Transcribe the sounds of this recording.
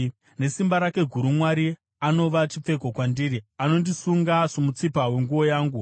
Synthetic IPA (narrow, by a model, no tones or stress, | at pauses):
ne̞simbaɾake̞ɡʱuɾumwaɾi | ano̞ʋat͡ʃip͡fe̞ko̞kwandiːɾiano̞ndisuŋɡaʂomut͡sipawe̞ŋɡuʋo̞jaːŋɡu